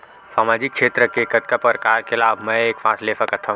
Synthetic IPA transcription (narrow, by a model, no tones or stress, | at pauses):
saːmaːd͡ʒikːʃʰeːt̪ɾəkeːkət̪kapəɾkaːɾkʰelaːbʱmɛ̃eːkfãːsleːfʰakɐt̪ʰa